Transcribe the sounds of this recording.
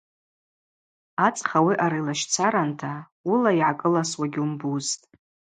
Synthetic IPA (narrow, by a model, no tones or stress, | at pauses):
at͡sʼχawiʔaɾajlaʃt͡sʰaɾantʰa | ulaiʕakʼɨlaswaɡʲumbuztʼ